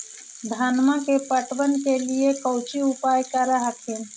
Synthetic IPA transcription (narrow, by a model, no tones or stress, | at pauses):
d̪ʱaːnmakepəʈʋənkeliekəwt͡ʃiupaːjkəɾaɦək̪ʰin